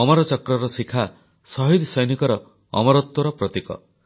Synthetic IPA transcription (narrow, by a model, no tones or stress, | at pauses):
ɔmɔɾɔt͡ʃɔkɾɔɾɔsikʰa | sɔɦid̪sɔjnikɔɾɔ | ɔ̰mɔɾɔt̪wɔɾɔpɾɔt̪ikɔ̰